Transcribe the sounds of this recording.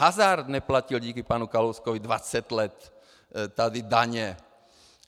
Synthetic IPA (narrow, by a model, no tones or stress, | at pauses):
ɦazaɾd̪ɲɛplacilɟiːkipaːnukalɔʊskɔʋid̪ʋat͡sat̪lɛt̪ | t̪ːad̪id̪aɲɛ